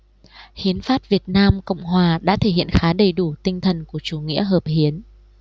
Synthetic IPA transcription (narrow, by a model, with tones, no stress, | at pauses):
xi˨˦ənfaː˦˥t̚vi˨˩ət̚naː˧mkə̰˧˨wŋ͡mɦwaː˨˩ɗa̰ː˧˥t̪ʰe˧˩hḭ˧˨ə˨nxaː˨˦ɗə˨˩jɗu˧˩t̪ï˧ŋ̟t̪ʰə˨˩nku˧˩ət͡ɕu˧˩ŋḭ˧˥əɦəː˨˩p̚hi˨˦ən